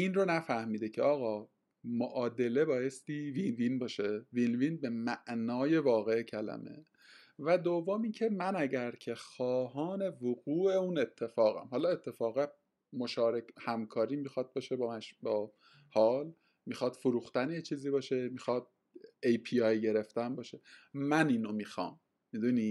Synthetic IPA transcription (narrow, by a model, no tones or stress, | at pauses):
inronæfæhmiːd̪ecʰeɒːɣɒː | moʔɒːd̪e̞le̞bɒːje̞st̪iːvinvinbɒːʃevinvinbe̞mæʔnɒːje̞vɒːɣe̞cʰælæ̰me̞̰ | væd̪ovːomiːncʰe̞mænæɟæɾcʰe̞xɒːɦɒːne̞voɣuːʔe̞une̞t̪ʰːe̞fɒːɣæ̰mhɒːlɒːe̞t̪ʰːe̞fɒːɣe | mo̞ʃɒːɾekhæmkʰɒːɾiːmixɒd̪̚bɒːʃebɒmæʃbɒː | hɒːl | mixɒːd̪̥foɾuːxt̪ænejet͡ʃʰiːziːbɒːʃe̞miːxɒd̪̥̚ | ejpʰiɒjɟe̞ɾe̞ft̪ænbɒːʃe̞mæniːnomiːxɒ̰ːmː | id̪uni